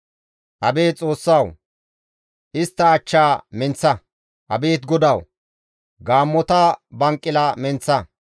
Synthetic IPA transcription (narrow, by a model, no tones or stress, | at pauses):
ʔɐbeːt͡sʼo̞ːsːɐw | ʔɪst̪ːɐːt͡ʃːaːmɛnt͡sːɐ | ʔɐ̰beːt̪ɡɔd̪ɐw | ɡaːmːɔt̪ɐbɐŋkʼːɪlɐmɛnt͡sːɐ